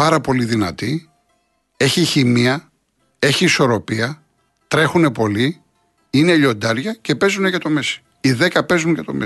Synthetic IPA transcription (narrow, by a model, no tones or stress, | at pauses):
ɐɾɐpo̞liðinɐ̰t̪i | e̞çiçimiɐ | e̞çiːso̞ɾo̞piɐ | t̪ɾe̞xune̞po̞li | ine̞ʎo̞nd̪ɐɾʝɐce̞pe̞zune̞jɐt̪o̞me̞si̥ | iðe̞kɐpe̞zuɲʝɐt̪o̞̰me